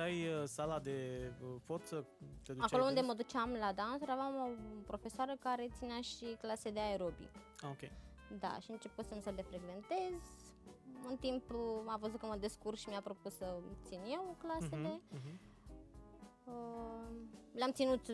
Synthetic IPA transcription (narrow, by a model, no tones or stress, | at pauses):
t̪ajsalad̪e̞əfot̪sət̪ed̪uakolound̪eməd̪ut͡ʃamlad̪ansuɾavamopɾo̞fe̞soaɾəkaɾe̞t̪sineaʃiklased̪eaeɾo̞bḭk | aokʲej | d̪a̰ʃiɨnt͡ʃe̞pot̪sənsəle̞fɾe̞ɡve̞nt̪e̞z | ɨnt̪impavəzut̪̚kəməd̪e̞skurʃimijapɾo̞pussət̪sinje̞wklasele | ə | leamt̪sinut̪